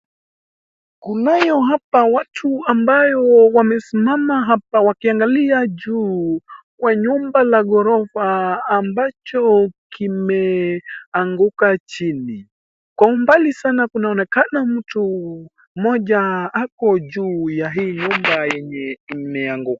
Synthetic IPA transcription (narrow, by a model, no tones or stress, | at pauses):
kunajɔɦapawatʰuambajɔwamɛsimamaɦapawakiaŋɡaliaʄuː | kwaɲumbalaɠɔɾɔfaːmbat͡ʃɔkimɛ | aŋɡukat͡ʃini | kwaumbalisanakunaɔnɛkanam̩tu | mɔʄaakɔʄuːjaɦiːɲumbajɛɲɛimɛaŋɡuka